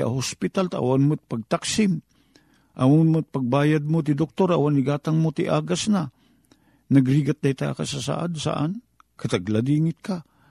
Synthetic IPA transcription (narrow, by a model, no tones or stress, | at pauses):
a̰ɦospɪt̪alt̪aʔa̰wanmʊt̪̚paɡ̚t̪aksɪm | ʔawʊnmʊt̪̚paɡ̚baːjad̪̚mot̪ɪd̪ok̚t̪oɾawanɪɡaːt̪aŋmot̪ɪ̰ʔaːɡasna | naɡɾiɡat̪̚d̪ajt̪a̰ka̰sasa̰ʔa̰d̪sa̰ʔa̰n | kat̪aɡlad̪iːŋɪt̪̚ka